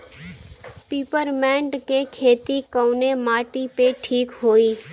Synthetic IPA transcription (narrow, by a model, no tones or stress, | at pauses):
piːpəɾmɛ̃ːɳɖkekʰeːt̪ikəːʊnemaːʈipeʈʰiːkɦoːiː